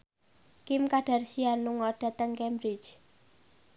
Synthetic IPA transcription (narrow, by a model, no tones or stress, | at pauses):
kɪmkaɖ̥a̤rsianːuŋɔɖ̥ä̤t̪əŋkɛmbɾit͡ʃ